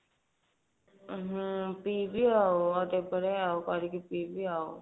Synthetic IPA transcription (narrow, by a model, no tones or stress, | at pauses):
ɦpiːbʱiaːoaːt̪ebəɽeaːokaɾikipiːbʱiaːo̰